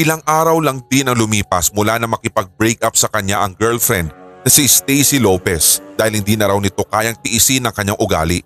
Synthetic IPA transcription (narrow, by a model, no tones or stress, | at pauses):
ʔɪlaŋʔaːɾɐwlɐŋd̪ɪnɐŋlʊmiːpɐsmʊlanɐmɐkɪpɐɡ̚bɾɛjk̚ʔap̚sɐkɐɲaʔɐŋɡɛɹlfɾɛnd̪̚nɐsist̪ɛjsilopɛsd̪aːhɪlhɪnd̪inɐɾɐwnɪt̪o̞kaːjɐŋt̪ɪʔɪsɪnɐŋkɐɲaŋʔʊɡa̰ːlɪʔ